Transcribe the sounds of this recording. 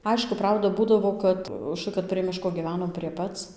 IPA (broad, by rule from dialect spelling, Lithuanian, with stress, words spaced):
ˈɐɪʃkʊ ˈprɐʊdɐ ˈbuːdɐʋoː kɐt ʊʃˈtɐɪ kɐt pʲrʲiɛ ˈmʲɪʃkoː ɡʲiːˈʋʲæːnoːm pʲrʲiɛ ˈpɐt͡s